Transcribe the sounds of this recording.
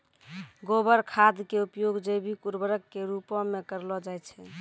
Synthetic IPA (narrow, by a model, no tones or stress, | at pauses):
ɡobəɾkʰad̪keupjoɡd͡ʒebʱikuɾbəɾəkːeɾupɔ̃mekəɾlɔd͡ʒajt͡ʃʰɛ